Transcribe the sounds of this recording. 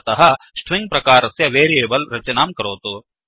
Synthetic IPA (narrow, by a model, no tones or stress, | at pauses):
t̪ɐɦɐ | sʈʰʋiŋɡ̚pɾɐkaːɾɐsjɐʋeːɾieːbɐlɾɐt͡ʃɐnaːmkɐɾoːt̪u